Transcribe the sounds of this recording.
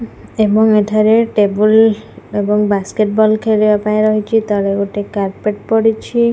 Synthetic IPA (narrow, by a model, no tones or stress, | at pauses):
ebɔŋetʰaɾeʈebulebɔŋbaskeʈbɔlkʰeɾibapaẽɾɔɦit͡ʃʰit̪ɔɾeɡoʈekaɾpeʈpɔɽit͡ʃʰi